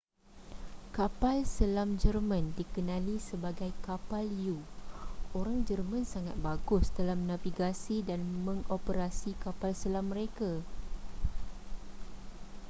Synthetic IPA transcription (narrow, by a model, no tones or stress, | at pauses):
kapalsəlamd͡ʒərmãndikənãlisəbaɡajkapalju | oɾaŋd͡ʒərmə̃nsaŋat̪̚baɡʊsdalamnãviɡasidanmə̃ŋʔopəɾasikapalsəlamːəɾeka